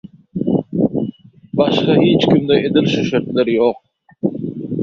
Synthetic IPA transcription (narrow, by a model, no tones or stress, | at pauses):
bɑʃqɑɦit͡ʃkʰʲimd̪ɛʔed̪ilʃuʃeɾt̪leɾjoq̚